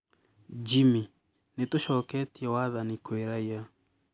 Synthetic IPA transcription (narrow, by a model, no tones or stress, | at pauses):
d͡ʒimi | netoʃɔkɛtiɛwaðanikoeɾaia